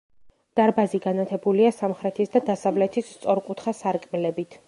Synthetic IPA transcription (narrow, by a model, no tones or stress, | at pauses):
d̪̥aɾbaziɡanat̪ʰɛbuliasamχɾɛt̪ʰisd̪ad̪asavlɛt̪ʰist̪sʼɔɾqʼut̪ʰχasaɾkʼmilɛbit̪ʰ